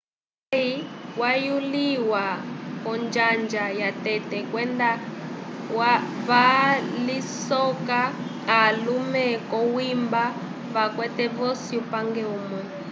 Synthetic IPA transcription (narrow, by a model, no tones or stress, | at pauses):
aiwajuliwakɔnd͡ʒand͡ʒajatɛtɛkwɛnda | waβalisɔka | alumɛkɔwimba | βakwɛtɛvɔsiupaŋɡɛumwɛ